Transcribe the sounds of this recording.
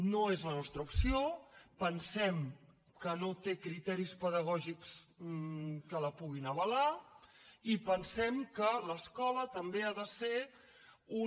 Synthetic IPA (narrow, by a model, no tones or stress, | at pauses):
noezlənɔst̪ɾəupsiopənsɛm | kənot̪ekɾit̪ɛɾispəðəɣ̞ɔʒiks | kələpuɣ̞inəβ̞əla | ipənsɛmkələskɔlət̪əmbeaðəse | u